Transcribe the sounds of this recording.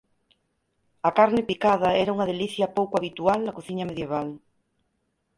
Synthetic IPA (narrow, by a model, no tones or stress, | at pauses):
ɐkaɾnɪpikað̞ɐɛɾauŋɐðeliθjɐpowkaβit̪ualnɐkoθiɲɐmeðjeβ̞al